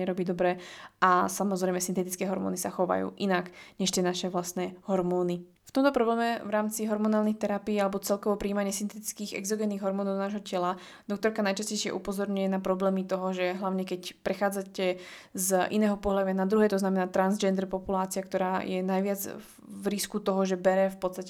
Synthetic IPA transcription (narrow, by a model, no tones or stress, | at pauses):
ɛɾɔbiːd̪ɔbɾɛʔasamɔzɾɛjmɛsint̪ɛt̪it͡skɛːɦɔɾmɔ̰ːnisaxɔʋa̰jṵːʔinakɲɛʃt̪jɛnaʃɛʋlast̪nɛːɦɔɾmɔːni | ft̪ɔmt̪ɔpɾɔblɛːmɛvɾaːmt͡siɦɔɾmɔnaːlnixt̪ɛɾapiːalɛbɔt͡sɛlkɔʋɔpɾiːmaɲɪɛsint̪ɛt̪i̥t͡skiːɣɛ̰ɡzɔɡɛniːɣɦɔɾmɔːnɔʊnaːʒɦɔcɛla | d̪ɔk̚t̪ɔɾkanajt͡ʃascɛjʃɪɛ̰ʔupɔzɔɾɲujɛnapɾɔblɛːmit̪ɔɦɔʒɛɦlaʊɲɛkɛcpɾɛxaːd͡zacɛ | zʔḭnɛːɦɔpɔɦlad̪ʊʋjanad̪ɾuɦɛːt̪ɔznamɛnaːt̪ɾanzd͡ʒɛnd̪ɛɾpɔpulaːt͡siakt̪ɔɾaːjɛnajʋɪad͡z | vɾiskut̪ɔɦɔʒɛbɛɾɛfpɔt̪t͡sst̪acɛ